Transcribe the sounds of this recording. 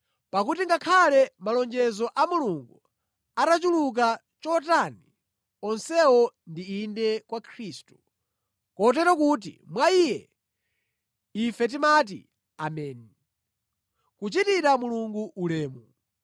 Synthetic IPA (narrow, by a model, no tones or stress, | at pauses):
pakutiŋɡakʰalɛmalɔnd͡ʒɛzɔʔamuluŋɡu | atat͡ʃuluk̬a | t͡ʃɔtani | ɔnsɛwɔndiːndɛkwakʰɾistu̥ | kɔt̬ɛɾɔkuːt̬ḭmwaijɛ | ifɛt̬imat̬ḭ | amɛːni | kut͡ʃitiɾamuluŋɡuʔulɛːmu